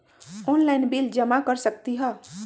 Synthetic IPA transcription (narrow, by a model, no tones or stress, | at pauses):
ɔːnlaɪnbiːld͡ʒəmakəɾsək̚t̪iɦɛː